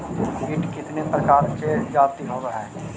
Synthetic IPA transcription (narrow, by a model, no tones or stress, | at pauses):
ɡɪʈkɪt̪nepɾɐkaːɾsed͡ʒaːt̪iɦoːt̪aɦɛː